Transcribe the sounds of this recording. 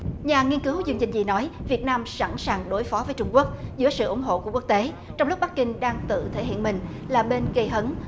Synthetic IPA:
ɲaː˨˩ŋi˧ənkɨ˨˦wzɨ˧əŋt͡ɕï˨˩ŋ̟zḭ˨˩nɔ˨˦jvi˨˩ət̚naː˧msa̰˧˥˩nsaː˨˩ŋɗo˨˦jfɔ˨˦vəː˨˦jt͡ɕʊ˧ŋ͡mku˦˥ək̚zɨ̰˧˥əsɨ̰˧˨ʔʊ˧˩ŋ͡mɦo̰˧˨ku˧˩əkwu˦˥kt̪e˨˦ | t͡ɕɔ˧wŋ͡mlʊ˦˥k͡p̚ɓa˦˥k̚kï˧ŋ̟ɗaː˧ŋt̪ɨ̰˧˨t̪ʰe˧˩ɦḭ˧˨nmï˨˩ŋ̟ | laː˨˩ɓe˧nɣə˧jɦə˨˦n

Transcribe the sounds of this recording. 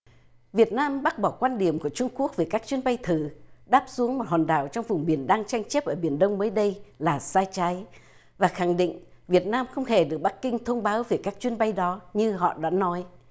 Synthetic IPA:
vi˨˩ət̚naː˧mɓa˦˥k̚ɓɔ˧˩kwaː˧nɗi˨˩əmku˧˩ət͡ɕʊ˧ŋ͡mku˦˥ək̚veː˨˩jkaː˦˥k̚t͡ɕwənɓa˧jt̪ʰɨ˧˩ɗaː˦˥p̚su˨˦əŋmo˨˩t̚hwaː˨˩nɗaː˧˩wt͡ɕɔ˧wŋ͡mvʊ˨˩ŋ͡mɓi˨˧˩ənɗaː˧ŋt͡ɕa˧jŋ̟t͡ɕe˦˥p̚ʔəː˧˩ɓi˧˩ənɗə˧wŋ͡mməː˨˦jɗə˧jlaː˨˩saː˧jt͡ɕa˨˦j | vaː˨˩xa˧˩ŋɗḭ˧˨ŋ̟ | vi˨˩ət̚naː˧mxə˧wŋ͡mhe˧˩ɗɨ˨˩ək̚ɓa˦˥k̚ːï˧ŋ̟t̪ʰə˧wŋ͡mɓaː˨˦wve˨˩kaː˦˥k̚t͡ɕwi˧ənɓa˧jɗɔ˨˦ɲɨ˧ɦɔ̰˧˨ɗa̰ː˧˥nɔ˨˦j

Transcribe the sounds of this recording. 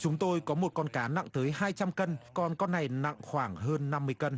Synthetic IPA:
t͡ɕʊ˨˦ŋ͡mt̪o˧jkɔ˨˦mo˨˩t̚kɔ˧nkaː˨˦na̰˧˨ŋt̪əː˨˦jhaː˧jt͡ɕa˧mkə˧nkɔ˧nkɔ˧nːa˨˩jna̰˧˨ŋxwaː˧˩ŋɦəː˧nːa˧mːɨ˧əjkə˧n

